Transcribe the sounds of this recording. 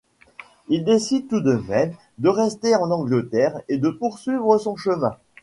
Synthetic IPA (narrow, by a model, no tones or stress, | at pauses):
ild̪esid̪̚t̪ud̪əmɛm | d̪əʁɛst̪eɑ̃nɑ̃ɡlət̪ɛʁed̪əpuʁsɥivʁəsɔ̃ʃəmɛ̃